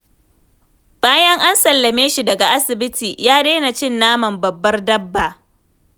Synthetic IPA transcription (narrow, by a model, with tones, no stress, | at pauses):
b̥aː˦jɐ˦ŋʔa˦nsɐ˨lːɐ˨meː˦ʃi˨dɐ˨ɡa˨ʔa˦sɪ˨bɪ˦tiː˨jaː˦deː˦na˨t͡ʃɪ˦nːaː˦mɐ˨mbɐ˨bːɐ˦rdɐ˦bːa˨ʔ